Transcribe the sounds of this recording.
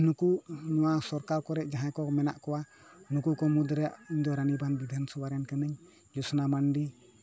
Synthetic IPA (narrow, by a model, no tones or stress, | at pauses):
nukuʔnɔwasɔɾkaɾkɔɾɛʔd͡ʒaɦãkɔmɛnaʔkɔwa | nukukɔmud̪ɾɛʔiɲd̪ɔɾanibʱanbid̪ʱansɔwaɾɛnkənəɲ | d͡ʒɔsɔnamanɖi